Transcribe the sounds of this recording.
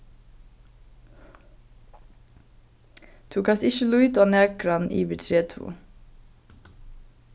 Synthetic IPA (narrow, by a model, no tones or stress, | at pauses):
t̪ʰuːkɑsɪʃəlʉʏt̪oːnæːkɾɑnʔḭːʋətʰɾeːt̪ʰṵː